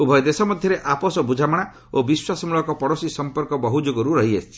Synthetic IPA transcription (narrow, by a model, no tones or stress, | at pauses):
ubʱɔjɔd̪esɔmɔd̪ʱjɔɾeʔapɔsɔbud͡ʒʱamɔɽ̃a | obiswasɔmuɭɔkɔpɔɽɔsisɔmpɔɾkɔbɔɦud͡ʒoɡɔɾuɾɔɦiest͡ʃʰi̥